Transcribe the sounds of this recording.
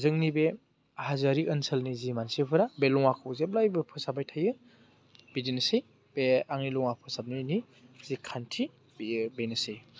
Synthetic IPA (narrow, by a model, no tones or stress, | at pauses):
zɯŋnibe | hazaɾiʔənselnizimansipʰɯɾabelɔŋakʰɯwzeb̚lajbɯpʰɯsabajtʰajɯ | bidinɯsɯj | beaŋnilɔŋapʰɯsab̚nini | zikʰantʰi | bbenɯsɯj